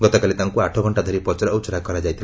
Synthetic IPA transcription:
ɡɔt̪ɔkalit̪aŋkuaʈʰɔɡʱɔɳʈad̪ʱɔɾipɔt͡ʃɔɾːwt͡ʃɔɾakɔɾad͡ʒajt̪ʰil

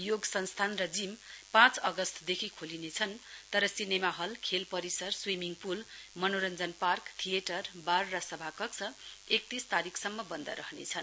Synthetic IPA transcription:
joɡsʌnst̪ʰanrʌd͡zimpãt͡sʌɡʌst̪ʰd̪ekʰikʰolinet͡sʰʌnt̪ʌɾʌsinemaɦʌlkʰelpʌɾisʌrswimiŋɡpulmʌnoɾʌnd͡zʌnparkt̪ʰijeʈʌrbarːʌsʌbʱakʌksʰʌek̚t̪ist̪aɾikʰsʌmːʌbʌnd̪ʌ̰ɾʌɦnḛt͡sʰʌn

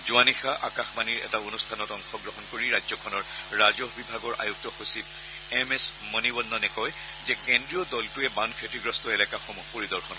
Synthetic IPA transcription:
zuanixaʔakaxmaniɹɛ̰taonustʰanɔtɔŋxɔɡɹɔɦɔnkoɹiɹazɔkʰɔnɔɹ | ɹazɔɦbibʱaɡɔɹʔa̰juk̚tɔxosib̚ | ɛmɛs | mɔnibɔnːɔnɛkɔj | zɛkendɹijɔdɔltuɛbankʰetiɡɹɔstɔelɛkaxomupoɹid̪ɔɹxɔn

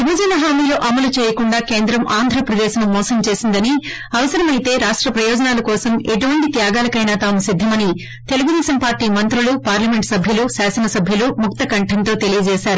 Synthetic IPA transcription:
ʋibʱɐd͡ʒɐnɐɦaːmiːloːʔɐmɐlut͡ʃɛːjɐkuɳɖaːke̞ːnd̪ɾɐmʔaːnd̪ʱɾɐpɾɐd̪eːʃnumɔːsɐmt͡ʃe̞ːsind̪ɐni | ɐʋɐsɐɾɐmɐjt̪e̞ːɾaːʂʈɾɐpɾɐjɔːd͡ʒɐnaːlɐkɔːsɐmeʈuʋɐɳʈit̪jaːɡaːlɐkɐjnaːt̪aːmusid̪ʱːɐmɐni | t̪e̞luɡud̪ɛːʃɐmpaːɾʈːiːmɐnt̪ɾulupaːɾlɐme̞ɳʈsɐbʱjɐlusaːsɐnɐsɐbʱjulumuk̚t̪ɐkɐɳʈʰɐnt̪o̞ːt̪e̞lijɐd͡ʒɛːsaːɾu

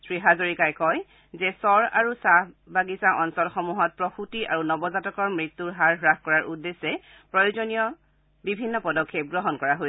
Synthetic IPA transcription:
sɹiɦazoɹikajkɔj | zɛsɔɹa̰ɹusa | baɡisaʔɔnsɔlxɔmuɦɔt̚pɹɔxutiʔaɹunɔbɔzatɔkɔɹmɹitːuɹɦaɹɦɹaxkɔɹaɹʔudːesɛ | pɹɔjozɔnijɔ | bibʱinːɔpɔdɔkʰːep̚ɡɹɔɦɔnkɔɹaɦos

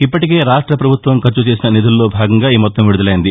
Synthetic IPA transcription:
ipːɐʈike̞ːɾaːʂʈɾɐpɾɐbʱut̪ʋɐmkɐɾt͡ʃut͡ʃe̞ːs̬inɐnid̪ulːo̞ːbʱaːɡɐŋɡaːiːmɔt̪ːɐmʋiɽud̪ɐlɐjind̪i

